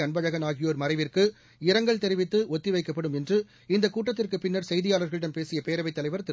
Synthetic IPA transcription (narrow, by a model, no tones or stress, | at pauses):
ɐɳbɐɻɐɣɐnaːɣɪjoːɾmɐɾɐɪʋɪrkɯ | ɪɾɐŋɡɐɭt̪ɛɾɪʋɪt̪ːɯɔt̪ːɪʋɐɪkːɐpːɐɽɯmɛndrɯ | ɪnd̪ɐkːuːʈːɐt̪̬ːɪrkɯpɪnːɐɾsɛjðɪjaːlɐɾɣɐɭɪɽɐmpeːsɪjɐpeːɾɐʋɐɪt̪ːɐlɐɪʋɐɾt̪ɪ